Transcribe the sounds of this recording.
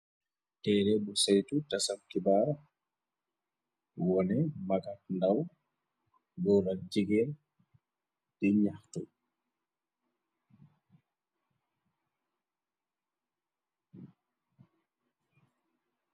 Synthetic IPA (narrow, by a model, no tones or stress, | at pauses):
tɛːɾɛbɔsajtutasamkibaːɾa | wɔnɛmaɡat̚ndaw | ɡɔlad͡ʒiɡɛl | dɛɲahtɔ